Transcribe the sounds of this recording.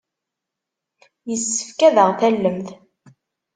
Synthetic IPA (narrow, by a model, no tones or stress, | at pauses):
jəsːə̥fkæðəʁθælːəmθ